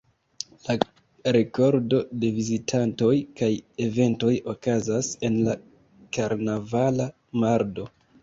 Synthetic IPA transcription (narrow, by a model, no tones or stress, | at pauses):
la | ɾe̞ko̞ɾdo̞de̞vizitʰanto̞jkajeve̞nto̞jo̞kazase̞nla | kaɾnavala | maɾdo̞